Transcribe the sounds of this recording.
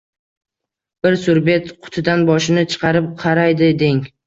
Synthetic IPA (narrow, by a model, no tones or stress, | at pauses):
b̥ɪɾsʊɾbe̞t̪qʰʊ̥t̪ʰɪd̪anbɒʃɪnɪt͡ʃʰɨ̥qʰɑɾɪp̚qʰɑɾajd̪ɪd̪eŋ